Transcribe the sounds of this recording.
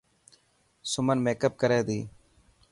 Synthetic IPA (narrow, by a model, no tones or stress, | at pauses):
sʊmənmeːkəp̚kəɾeːd̪iː